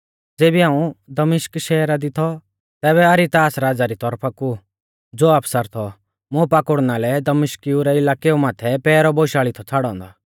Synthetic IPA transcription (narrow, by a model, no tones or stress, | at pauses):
d͡zeːbiãːũd̪ɐmɪʃkʃɛːɾad̪ɪt̪ʰɔ | t̪ɛːβɛɐɾit̪aːsɾaːd͡zaɾit̪ɔɾpʰaku | d͡zoːapʰsəɾt̪ʰɔ | mʊ̃paːkʊɽnaːlɛd̪ɐmɪʃkiuɾɛɪlaːkeumaːt̪ʰɛpɛːɾɔboʃaːɭit̪ʰɔt͡sʰaːɽɔ̃ːnd̪aː